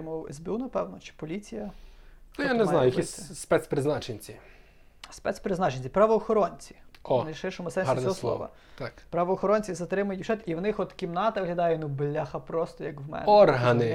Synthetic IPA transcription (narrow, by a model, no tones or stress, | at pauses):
mɔwɛ̰zbʲɪunɐpɛwnɔt͡ʃɪ̥pɔlʲit͡sʲijɐ | janeznɑjʊjɐkisʲspɛt̪spɾɪznɑt͡ʃenʲt͡sʲi | spɛt̪spɾɪznɑt͡ʃenʲt͡sʲipɾɐʋɔːxɔɾɔnʲt͡sʲi̥ɔnɐjʃɪrʃɔmʊsɛnʲsiɔɔslˠɔ̰ʋɐ̰ | t̪ɑkpɾɐʋɔːxɔɾɔnʲt͡sʲizɐt̪ɾɪmʊjʊt̪ʲʃɛt̪iwnɪxɔt̪kʲimnɑt̪ɐʋɦlʲɐd̪ɑjɛnublʲːaxɐpɾɔst̪ɔjɐkwmɛ̰nɔrɦɐnɪ